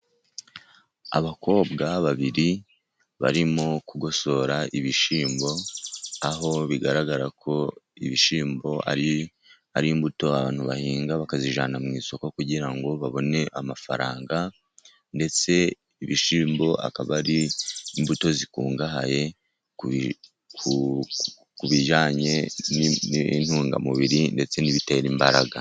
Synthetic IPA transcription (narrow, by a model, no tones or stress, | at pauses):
a̰βako̞ːbɡaβaβiɾi | βa̰ɾimo̞kuɡo̞so̞ɾaʔiβiʃiːmbo̞aɦo̞βiɡaɾaɡaɾakʰo̞iβiʃiːmbo̞a̰ɾi | a̰ɾimbuto̞aβaːn̥huβahiːŋɡaβakaziʒaːnamŋiːso̞kokuɟiɾaŋɡo̞βaβo̞ne̞ʔamafa̰ɾaːŋɡa | nde̞t͡se̞ | iβiʃiːmbo̞ʔa̰kaβaɾiːmbuto̞zikuːŋɡaha̰je̞ | ku | kuβiʒaːɲe̞nn̥huːŋɡa̰muβiɾinde̞t͡se̞niβiteɾimbaɾaɡa̰